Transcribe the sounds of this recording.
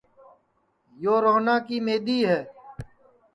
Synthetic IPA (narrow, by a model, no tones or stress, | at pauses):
joːɾoːnãːkiːmeːd̪iːɦɛː